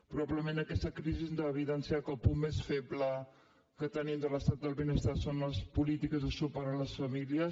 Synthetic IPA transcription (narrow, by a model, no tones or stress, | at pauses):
pɾuβaβləmẽnəkɛst̪əkɾiziznd̪əːβ̞iðɛnsiakəlˠpummːesfeblə | kət̪ənimd̪ələst̪at̪̚d̪əlˠβinəst̪asonləspulit̪ikəzðəsupaɾənləsfəmiliəs